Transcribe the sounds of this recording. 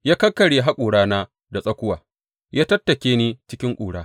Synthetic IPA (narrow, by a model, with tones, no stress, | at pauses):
jaː˦kɐ˦kːɐ˨ɽe˨ɦa˦kʷʼuː˨ɽaː˦naː˦ | da˨sʼɐ˦kʷʊ˦waː˨ | jaː˦tɐ˦tːɐ˨kʲeː˦niː˦t͡ʃɪ˦kʲɪ˦ŋkʷʼuː˨ɽaː˦